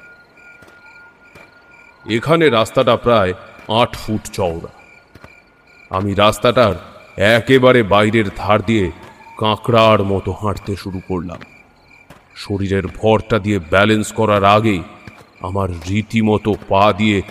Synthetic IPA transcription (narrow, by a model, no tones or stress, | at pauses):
ekʰaneɾast̪aʈapɾaeaʈʰfuʈt͡ɕɔoɾa̰ | a̰miɾast̪aʈaɾ | ɛkebaɾebajɾeɾd̪ʱaɾd̪ijekãkɽaɾmɔt̪ohãʈt̪eʃuɾukoɾla̰m | ʃoɾiɾeɾbʱɔɾʈad̪ijebɛlenskɔɾaɾaɡe | a̰maɾːit̪imɔt̪opad̪ije